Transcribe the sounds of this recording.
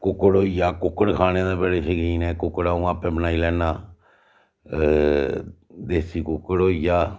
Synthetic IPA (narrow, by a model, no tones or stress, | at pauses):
kʊkːɽoːjaːkʊkːəɽkʰaːnẽːd̪eːbəɽeːsəkiːnɛːkʊkːəɽaːũːaːpẽːbənaːiːlɛːnaː | d̪eːsiːkʊkːəɽoːjaː